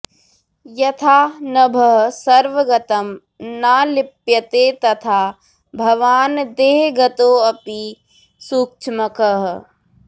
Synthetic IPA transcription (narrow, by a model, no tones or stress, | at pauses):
jɐt̪ʰaːnɐbʱɐɦsɐɾʋɐɡɐt̪ɐm | naːlɪpjɐt̪eːt̪ɐt̪ʰaː | bʱɐʋaːnd̪eːɦɡɐt̪oːɐpi | suk̚t͡ʃʰmɐkɐɦ